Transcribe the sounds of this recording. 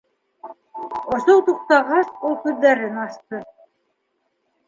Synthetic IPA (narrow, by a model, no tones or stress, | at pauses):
ŏsɤwt̪uq̚t̪ɑʁɑsulˠk̪ʉ̆ɾːæɾɘnɑʃt̪ɤ